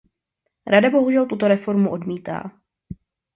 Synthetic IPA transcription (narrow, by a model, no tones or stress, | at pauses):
ɾadabo̞ɦuʒɛlt̪ut̪o̞ɾɛfo̞ɾmuʔo̞dmiːt̪a̰ː